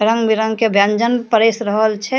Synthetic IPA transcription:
ɾə̃ŋɡbiɾəŋkebʱjãnd͡ʒənpəɾeːsɾəɦəlt͡ʃʰɛ

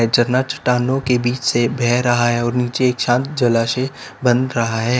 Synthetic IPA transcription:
ɛd͡ʒɐɾnat͡ʃɐ̥ʈaːnõkebiːt͡ʃsebʱɛːɾɐɦaɦɛɔːɾniːt͡ʃeeːkʃãːnt̪d͡ʒɐlaːʃe | bɐ̃nd̪ɾɐɦaɦɛː

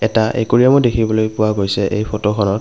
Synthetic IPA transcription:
ɛtaʔḛkuɹiamɔdekʰibɔlojpʊwaɡojsɛʔejpʰotoxʰɔnɔt̚

